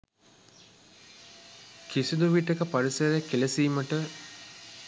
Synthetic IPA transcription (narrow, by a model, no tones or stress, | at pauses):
kisid̪uʋiʈɐkəpɐɾisɐɾekelɐsiːməʈə